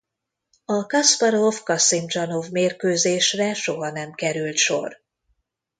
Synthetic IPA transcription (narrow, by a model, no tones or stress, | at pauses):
ɒkɒspɒɾovkɒsimd͡ʒɒnovmeːrkøːzeːʃrɛʃo̞ɦɒnɛmkɛɾylt̪ʃo̞̰r